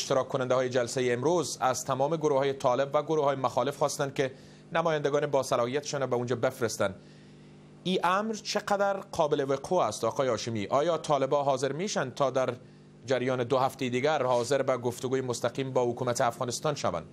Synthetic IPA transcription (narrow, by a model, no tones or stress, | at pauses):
eʃt̪ɪɾɒkʰːʊnand̪ahɔːjed͡ʒalsajeːmɾozazt̪ʰamɔmeɡʊɾohɒːjet̪ʰɒlɪbvaɡʊɾohɒːjemaxɒlɪfxɔst̪and̪ke | namɔjand̪aɡɒːnebɒsalɒhijat̪e̥ʃɔnɾɔbaund͡ʒɔbefɾest̪an | iʔamɾt͡ʃʰɪqad̪aɾqʰɒbɪleweqʰoast̪ɒqʰɔːjeɒʃɪmiʔɒjɒt̪ʰɒlɪbɒɦɒzɪɾmeʃand̪̚t̪ʰɒd̪aɾ | d͡ʒaɾjɒːned̪ʊɦaft̪ejed̪iɡaɾhɒzɪɾbaɡoft̪ʊɡuːjemʊst̪aqiːmbɒhʊkumat̪eafɣɒnɪst̪ɒnʃa̰va̰n